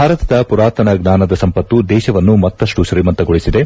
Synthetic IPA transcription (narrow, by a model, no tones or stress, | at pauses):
bʱaːɾɐt̪ɐd̪ɐpuɾaːt̪ɐnɐɡnaːnɐd̪ɐsɐmpɐt̪ːud̪ɛːʃɐʋɐnːumɐt̪ːɐʂʈuʃɾiːmɐnt̪ɐɡoɭisid̪e̞